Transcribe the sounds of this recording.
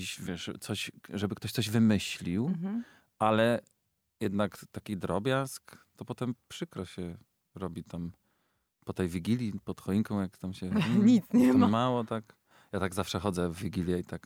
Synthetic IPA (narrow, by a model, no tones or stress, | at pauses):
iɕvʲjɛʂt̪sɔɕʐɛbɘkt̪ɔɕt̪sɔʑvɘmɘɕlʲiw | ʔalɛ | jɛd̪nakt̪akʲid̪ɾɔbʲjaskt̪ɔpɔt̪ɛmpʂɘkɾɔɕɛ | ɾɔbʲit̪am | pɔt̪ɛjvʲiɡʲilʲjipɔt̪xɔiŋkɔ̃w̃jakt̪amɕɛɲit̪sɲɛmamawɔt̪ak | jat̪aɡzafʂɛxɔd̪zɛvːʲiɡʲilʲjɛit̪ak